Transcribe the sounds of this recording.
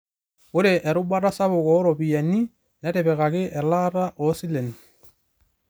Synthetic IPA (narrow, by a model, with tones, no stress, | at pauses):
ʊ˦ɾɛ˨ʔɛ˨ɾʊ˦ba˦ɾa˦sa˦bʊ˨kɔ˨˦ɾɔ˨pi˨jɛ˨ni˦ | nɛ˦tɛ˨bɛ˨ka˨kɪ˦ʔɛ˨la˦ɾa˦ʔɔ˦sɪ˦lɛ˨n